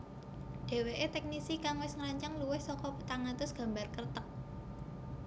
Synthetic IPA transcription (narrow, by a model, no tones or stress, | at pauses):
ɖ̥e̤weʔet̪ɛk̚nisikaŋwɪsŋɾaɲt͡ʃaŋluwɪhsɔkɔpə̥t̪aŋant̪ʊsɡ̥a̤mbarkərt̪ək̚